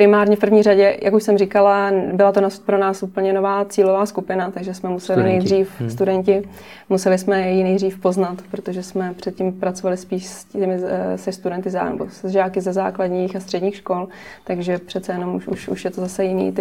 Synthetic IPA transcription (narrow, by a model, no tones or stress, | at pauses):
pɾɪmaːɾɲɛfpɾ̩vɲiːraɟɛjʔakuʃsɛmrikalabɪlat̪onaspɾo̞naːsʔupl̩ɲɛno̞vaːt͡siːlovaːskupɪnat̪aɡʒɛsmɛmusɛlɪnɛjd̪riːfst̪udɛncɪ | musɛlɪsmɛjɛjinɛjd̪riːfpo̞znat̪pɾot̪oʒɛsmɛpr̝̥ɛt̪̚cimpɾat͡so̞valɪspiːʃscɛmɪsɛst̪udɛnt̪ɪz̰nɛ̰bo̰szʒaːkɪzɛza̰ːklaɟɲiːxast̪r̥ɛdɲiːxʃko̞l | t̪aɡʒɛpr̥ɛt̪t͡sɛjɛno̞muʃuʃṵʃjɛt̪ozasɛjɪnḭːt̪